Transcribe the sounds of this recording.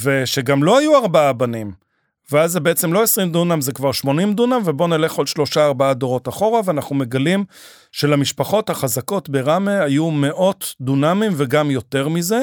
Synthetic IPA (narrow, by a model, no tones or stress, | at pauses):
ve̞ʃe̞ɡamlo̞hajuaʁbaabanim | veazːebeet͡se̞mlo̞esʁimd̪unamzekvaʁʃmo̞nimd̪unamvebo̞nele̞χalʃlo̞ʃaːʁbaad̪oʁo̞taχo̞ʁaveanaχnume̞ɡalim | ʃelamiʃpaχo̞thaχazako̞tbeʁameajume̞ʔo̞td̪unamimveɡamjo̞te̞ʁmize